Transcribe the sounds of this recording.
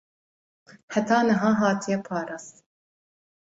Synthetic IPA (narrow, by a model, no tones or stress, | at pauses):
ħat̪ɑːnɐɦɑːɦɑːt̪ʰijɛpʰɑːɾɑst̪